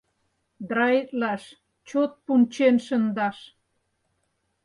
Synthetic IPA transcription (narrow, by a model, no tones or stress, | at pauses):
d̪ɾɑit̪lɑʃ | t͡ɕot̪̚punʲt͡ɕenʃə̆nd̪ɑʃ